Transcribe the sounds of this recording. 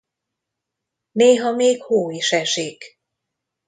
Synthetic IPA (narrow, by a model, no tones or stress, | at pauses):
neːɦɒmeːkhoːiʃɛʃiːk